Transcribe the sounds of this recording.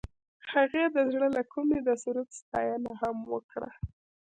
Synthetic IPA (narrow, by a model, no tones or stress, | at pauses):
haɣed̪əzɽəlakʰumed̪əsuɾat̪st̪ɑjənahamwəkɽa̰